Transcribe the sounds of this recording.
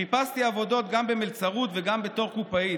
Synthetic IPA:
ipast̪iavo̞do̞t̪ɡambemilt͡saʁut̪veɡambe̞t̪o̞ʁkupai

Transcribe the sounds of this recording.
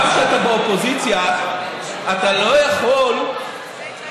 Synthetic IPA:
ʃeat̪abeopo̞zit͡sja | at̪alo̞jaχol

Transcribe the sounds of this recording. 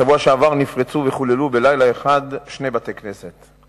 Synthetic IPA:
ʃavuaʃeavaʁnifʁet͡suveχulelube̞lajlaeχad̪ʃne̞bat̪eknese̞t̪

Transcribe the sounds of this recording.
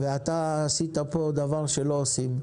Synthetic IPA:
veat̪aːsit̪apo̞d̪avaʁʃe̞lo̞ːsim

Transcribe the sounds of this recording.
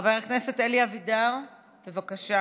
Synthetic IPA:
beʁakne̞se̞teliavidaʁ | be̞vakaʃa

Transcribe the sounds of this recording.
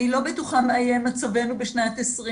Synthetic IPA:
ilo̞betuχameajemat͡save̞nubeʃnatesʁi

